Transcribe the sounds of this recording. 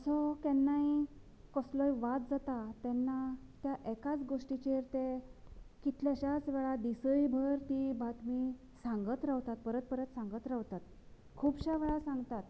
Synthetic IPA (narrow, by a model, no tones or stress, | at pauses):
əsɔk̪ɛnːai | kɔslɔjʋat̪̚d͡zat̪at̪ɛnːat̪jaʔɛkat͡sɡoʂʈit͡ɕeɾt̪e | kit̪ʰljaɕat͡sʋɛɭad̪isəjbʱəɾt̪ibat̪mi | sãŋɡət̪ɾaʋt̪at̪̚pəɾət̪̚pəɾət̪sãŋɡət̪ɾaʋt̪at̪ | kʰuːbɕaʋeɭasãŋɡt̪at̪